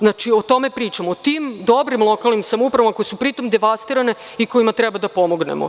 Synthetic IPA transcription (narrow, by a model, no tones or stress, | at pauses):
znat͡ʃio̞t̪o̞mepɾiːt͡ʃamot̪imd̪o̞bɾimlˠo̞kalˠnimsamupɾaʋamako̞jesupɾit̪o̞md̪eʋast̪iɾane̞ | iko̞imat̪ɾɛbad̪apo̞mo̞ɡnḛmo̰